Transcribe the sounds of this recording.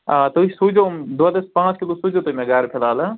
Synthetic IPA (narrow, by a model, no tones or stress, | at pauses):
aːt̪oisud͡ʒomd̪oad̪ɐspãːt͡ʃkilosud͡ʒot̪oimẽɡaɾpʰelaːla